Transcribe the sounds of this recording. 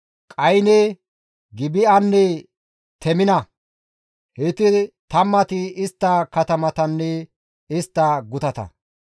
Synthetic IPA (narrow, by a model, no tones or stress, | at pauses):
kʼɐjnɛ | ɡɪbɪɐnːɛ | t̪ʰɛmɪnɐ | hɛt̪ɪt̪ɐmːɐt̪ɪɪst̪ːɐkɐt̪ɐmɐt̪ɐnːɛ | ɪst̪ːɐɡʊt̪ɐt̪ɐ̰